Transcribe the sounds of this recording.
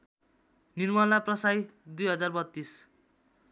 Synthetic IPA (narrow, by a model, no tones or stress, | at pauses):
nirmʌnaprʌsajd̪ujɦʌd͡zarbʌt̪ːis